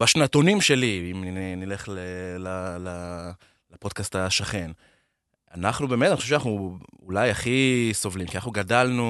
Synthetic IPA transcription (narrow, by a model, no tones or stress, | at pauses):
baʃnat̪o̞nimʃe̞liimnnile̞χlelala | lepo̞d̥̪kastaʃaχe̞n | anaχnube̞ːmt̪aniχoʃeʃanaχnuulajaχiso̞vlimkianaχnuɡadalnu